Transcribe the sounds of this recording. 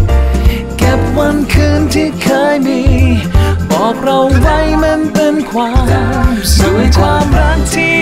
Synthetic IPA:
kɛ˨˩p̚wa˧nkʰɯː˧nt̪ʰiː˥˩kʰaː˧˥jmiː˧ | bɔː˨˩k̚ɾa˧wwa˥˩jme˧npe˧nkʰwaː˧˥msɔː˨˩˦ŋkʰwaː˧mɾa˧˥˩k̚t̪ʰiː˧˥˩

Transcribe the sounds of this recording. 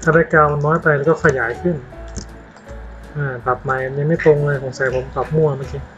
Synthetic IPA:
t̪ʰaː˧˩pa˧jka˧˩wnɔː˦˥jpa˧jlɛː˧˥kɔː˥˩kʰa˧˩jaː˩˦jkʰɯ˥˩n | ʔaː˧˩pa˨˩p̚ma˨˧˦jja˧ŋma˥˩jt̪o˧ŋ˧laː˧jpʰo˨˦ŋsaː˨˩˦pʰo˨˩˦mka˨˩p̚mu˧˩ɐmaː˧˥˩kiː˧

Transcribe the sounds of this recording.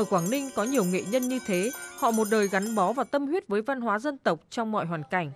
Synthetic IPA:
ʔʔəː˧˩kwaː˧˩ŋnï˧ŋkɔ˨˦ɲi˨˩əwŋḛ˧˨ɲə˧nɲɨ˧t̪ʰe˨˦hɔ̰˧˨mo˨˩t̚ɗəː˨˩jɣa˨˦ŋɓɔ˨˦vaː˨˩wt̪ə˧mhwi˦˥ət̚vəː˨˦jva˧nɦwaː˨˦zə˧nt̪ə˨˩wk͡p̚t͡ɕɔ˧wŋ͡mmɔ̰˧˨jɦwaː˨˩nka˧˩jŋ̟

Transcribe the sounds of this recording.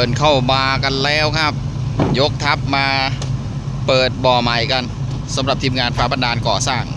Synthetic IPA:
ɤː˨˩nkʰa˥˩wmaː˧ka˧nlɛː˦˥˩wkʰa˦˥˩p̚ | jo˦˥k̚t̪ʰa˦˥p̚maː˧ | pɤː˨˩t̪̚bɔː˨˩ma˨˩jka˧n | sa˩˦mɾa˨˩p̚t̪ʰiː˧mŋaː˧npʰɾaː˦˥pa˧ndaː˧nkɔː˨˩saː˥˩ŋ

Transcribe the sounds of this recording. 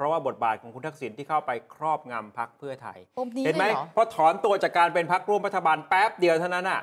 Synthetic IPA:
ɾɔ˦˥waː˥˩bo˨˩t̪̚baː˨˩t̪̚kʰɔː˩˦ŋkʰu˧nt̪ʰa˦˥k̚si˩˦nt̪iː˥˩kʰa˥˩wpa˧jkʰɾɔː˥˩p̚ŋa˧mpʰa˦˥k̚pʰɯ˥˩ɐt̪ʰa̰˧jhe˩˦ma˦˥jʰɔ˦˥t̪ʰɔː˩˦nt̪u˧ɐt͡ɕaː˨˩kːaː˧npe˧npʰa˦˥k̚ɾu˧˥əmɾa˦˥t̪ʰːa˧baː˧npɛː˦˥p̚di˧əwt̪ʰa˥˩wna˦˥nʔa˨˩ʔ

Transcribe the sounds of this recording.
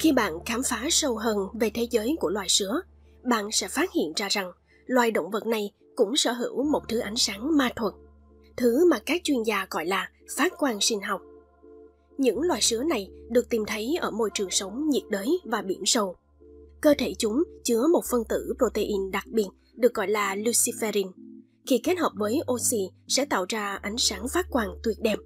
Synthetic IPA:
xi˧ɓa̰ː˧˨nkaː˨˦mfaː˨˦sə˧wɦəː˧nve˨˩t̪ʰe˨˦zəː˨˦jku˧˩əlwaː˨˩jsɨ˨˦ə | ɓa̰ː˧˨nsɛ̰˧˥faː˦˥t̚hḭ˧˨ənzaː˧za˨˩ŋ | lwaː˨˩jɗo̰˧˨wŋ͡mvə˨˩t̚na˨˩j | kʊ̰˧˥ŋ͡msə̰ː˧˩ɦɨ̰˧˩wmo˨˩t̚t̪ʰɨ˨˦ʔa˨˦jŋ̟saː˨˦ŋmaː˧t̪ʰwə˨˩n̚ | t̪ʰɨ˨˦maː˨˩kaː˦˥k̚t͡ɕwi˧ənzaː˧ɣɔ̰˧˨jlaː˨˩ | faː˦˥t̚kwaː˧nsï˧ŋ̟ɦa˨˩wk͡p̚ | ɲɨ̰˧˥ŋlwaː˨˩jsɨ˨˦əna˨˩jɗɨ˨˩ək̚t̪i˨˩mt̪ʰə˨˦jʔə̰ː˧˩mo˧jt͡ɕɨ˨˩əŋsə˨˦wŋ͡mɲi˨˩ət̚ɗəː˨˦jvaː˨˩ɓḭ˧˩ənsə˧w | kəː˧t̪ʰe˧˩t͡ɕʊ˨˦ŋ͡mt͡ɕɨ˨˦əmo˨˩t̚fə˧nt̪ɨ̰˧˩pɾo˧t̪e˧ʔi˧nɗa˨˩k̚ɓi˨˩ət̚ | ɗɨ˨˩ək̚ɣɔ̰˧˨jlaː˨˩lu˧si˧fɛ˧ɾi˧n | xi˧ke˦˥t̚həː˨˩p̚vəː˨˦jʔo˧si˧sɛ̰˧˥t̪a̰ː˧˨wzaː˧ʔa˨˦jŋ̟saː˨˦ŋfaː˦˥t̚kwaː˧nt̪wi˨˩ət̚ɗɛ˧m

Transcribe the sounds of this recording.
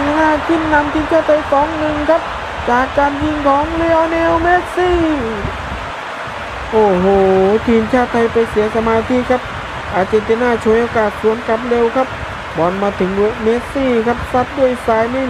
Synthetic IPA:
ŋnaː˧˩kʰi˧˥˩nːa˧mt̪ʰiː˧˦nt͡ɕʰaː˧˩t̪ʰa˧˦jsɔː˨˦ŋnɯ˧ŋkʰa˦˥p̚ | t͡ɕaː˨˩kːaː˧nji˧ŋkʰɔː˨˦ŋlɛː˧˥wnɛː˧˥wmeː˦˥t̪̚siː˥˩ | ʔoː˧˩hoː˧˩t̪ʰiː˧˩nt͡ɕʰaː˧˩t̪ʰːa˧jpa˧jsi˨˦ɐsa˧maː˧t̪ʰiː˧˥˨kʰa˦˥p̚ | ʔaː˨˩t̪̚t͡ɕe˧ŋt̪a˧nːaː˧˥˩t͡ɕʰu˧əjʔoː˧kaː˨˩t̪̚su˨˦ənka˧p̚leː˧wkʰa˦˥p̚ | bɔː˨˦˩nmaː˧t̪ʰɯ˨˦ŋe˧meː˧˥k̪̚siː˧˩kʰa˦˥p̚sa˧˥t̪̚du˧˩əjsaː˧˩jna˧˥˨

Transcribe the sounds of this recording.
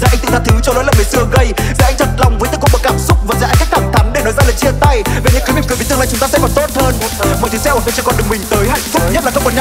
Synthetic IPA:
zaː˧˩a˧ŋ̟t̪ɨ˧˩tzaː˧t̪ʰɨ˨˦t͡ɕɔ˧lo̰˨˦ləː˧˨˩mə˨˩sɨ˧əɣə˧jzaː˨˩ʔa˧jŋ̟t̪ʰə˨˩t̚la˨˩wŋ͡mvəː˨˦jt̪ɨ˨˩k̚ɓə˨˧˩kaː˧˩msʊ˦˥k͡p̚vaː˨˩za̰ː˧˥˦kaː˦˥jk̚t̪ʰaː˧˩ŋt̪ʰə˨˦mɗe˧˩nɔ˨˦jzaː˧laː˨˩t͡ɕi˧ənt̪a˧jve˨˩ḭ˨˥kəː˨˦mi˨˩kɨ˨˩vt̪ɨ˧ŋla̰˧˨˩t͡ɕʊ˨˦ŋ͡mt̪aː˧sɛ̰˧˥kɔ˨˩nt̪o˦˥t̚həː˧nmo˨˩t̪ɨ˨˦sɛ˧˦w̪ə̰˧˩t͡ɕɨ˧˩kɔ˨˩nɗɨ˨˩əkmï˨˩ŋ̟t̪əː˨˦jha̰˧˨jŋ̟fʊ˦˥k͡p̚ɲə˦˥t̚laː˨˩xə˧wŋ͡mkɔ˨˩nɲa˧

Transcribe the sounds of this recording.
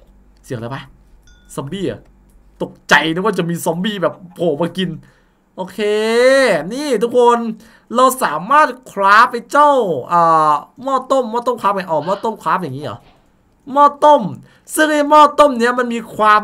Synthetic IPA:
si˨˩˦ŋla˨˦pa˦˥sɔ˧˦mbiː˧˥˩ʔa̰˨˩ | t̪o˨˩k̚t͡ɕa˧jnɯ˦˥˦waː˥˩t͡ɕa˨˩miː˧sɔ˨˦mbiː˧˥˩bɛː˨˩p̚ʰːoː˨˩maː˧ki˧n | ʔoː˧kʰeː˧niː˥˩t̪ʰu˦˥k̚ʰo˧n | ɾa˧wsaː˨˩˦maː˥˩t̪̚kʰɾaː˦˥p̚ha˧jt͡ɕɔ˥˩wʔaː˨˩mɔː˥˩t̪o˥˩mːɔː˥˩t̪o˥˩mkʰa˦˥p̚ka˧˩ʔɔː˨˩mɔː˥˩t̪o˥˩˨mkʰɾaː˦˥p̚ja˨˩ŋiː˦˥ʔɔ̰ː˨˦ | mɔː˥˩t̪o˥˩m | sɯ˥˩ŋna˥˩jmɔː˥˩t̪o˥˩mni˦˥ɐma˧nmiː˧kʰwaː˧˥m

